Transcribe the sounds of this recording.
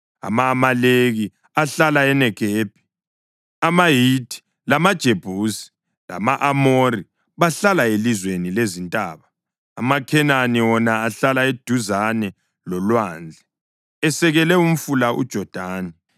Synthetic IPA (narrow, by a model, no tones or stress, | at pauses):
a̰mamaleɣi | aɬalaɛnɛɡ̥ʱeːb̥ʱi̥ | amaɦidi̥ | lamad̥ʒ̥ʱeb̥ʱuːsi̥ | la̰maʔamori | βaɬalaelizwenilezintʼaːβaː | makʰɛnaniwɔnaːɬalaed̥ʱuzanɛ | lɔlwaːnd͡ɮʱɛ | ɛsɛɣɛlɛum̩fulaʔṵd̥ʒ̥ʱɔd̥ʱaːni